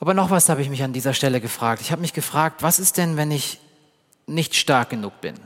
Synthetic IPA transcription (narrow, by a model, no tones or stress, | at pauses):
ʔaːbɐnɔχv̥ashaːbəɪçmɪçandiːzɐʃtɛləɡəfʁ̥aːk̚tɪçhaːbəmɪçɡ̥əfʁ̥aːk̚tv̥asɪst̚d̥ɛnvɛnɪç | nɪçtʃtaɐk̚ɡ̥ənuːk̚b̥ɪ̰n